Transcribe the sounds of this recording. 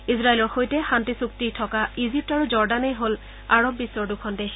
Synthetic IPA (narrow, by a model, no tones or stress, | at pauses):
izɹaelɔɹxojtɛxantisuktitʰɔkaizip̚taɹuzɔɹdanejɦol | a̰ɹɔbːisːɔɹdukʰɔnde